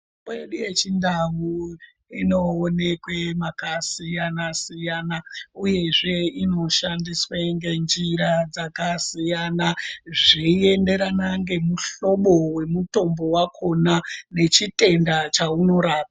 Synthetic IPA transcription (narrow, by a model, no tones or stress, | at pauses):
eɗuje̞t͡ʃindawu | inoːne̞kwemakasijanasijanauje̞ʐe̞ino̞ʃandisweŋɡe̞nd͡ʒiɾad͡zakasijanaʐie̞nde̞ɾanaŋɡe̞muɬo̞ɓo̞we̞muto̞mbo̞wakʰo̞nane̞t͡ʃite̞ndat͡ʃauno̞ɾaːpa